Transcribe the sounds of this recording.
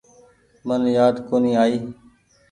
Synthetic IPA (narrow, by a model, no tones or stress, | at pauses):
mənjaːd̪koːniːaːiː